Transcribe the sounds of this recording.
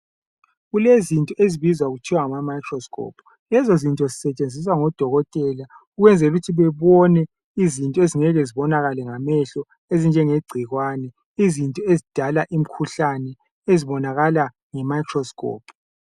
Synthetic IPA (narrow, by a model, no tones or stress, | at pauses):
ɣulezintʼɔʔeziβizwaɣutʰiwaŋamamajkʰrɔskʰɔ̰pʰ | lɛzozintʼɔzisɛt͡ʃʼend͡zʱis̬waŋɔd̥ʱɔɣɔtʼɛla | uɣwɛnd͡zʱɛluɣutʰiβɛβɔnɛ | izintʼɔeziŋɛɣɛziβɔnaɣalɛŋamɛɬɔ | ezind͡ʒʱɛŋeɡ͡ǀʱiɣwaːnɛ | izintʼɔezid̥ʱalaʔim̩kʰuɬanɛ | eziβɔnaɣala | ŋɛmajkʰrɔskʰʼɔ̰ːpʰ